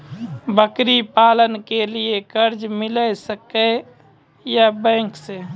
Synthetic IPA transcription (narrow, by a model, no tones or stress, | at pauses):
bəkɾipaːlənkeliekəɾd͡ʒmɪləsəke | jabɛ̃ːkse